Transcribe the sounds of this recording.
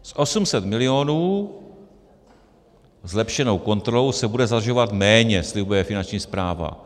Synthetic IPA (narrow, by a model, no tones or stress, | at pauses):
sʔo̞sumsɛt̪mɪlɪjo̞nuː | zlɛpʃɛno̞wko̞nt̪ɾoluwsɛbudɛzad̪r̩ʒovat̪mɛːɲɛslɪbujɛfɪnant͡ʃɲiːspɾaːva̰